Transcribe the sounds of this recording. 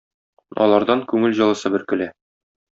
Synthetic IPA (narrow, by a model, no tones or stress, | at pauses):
ɒ̰lˠɑɾd̪ɑŋkʉŋɘlʑɤ̆lˠɤ̆sɤbɘɾkɵ̆læ